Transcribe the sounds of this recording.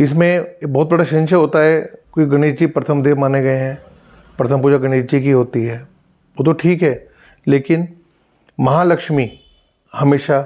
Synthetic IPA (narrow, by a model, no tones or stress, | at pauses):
ɪsmẽbɔːt̪̚bɐɽaʃɪ̃nʃəɦoːt̪aɦɛkoiɡɐɽ̃iːd͡ʒd͡ʒipɾɐt̪ʰəmd̪eːmaːneɡɐeɦɛ̃ː | pɾɐt̪ʰəmpuːd͡ʒaɡɐɽ̃iːʃd͡ʒikiɦoːt̪iɦɛː | ʋoːt̪̬oʈʰiːkɦɛː | leːkɪn | mɐɦaːlɐkʃmi | hɐmeːʃa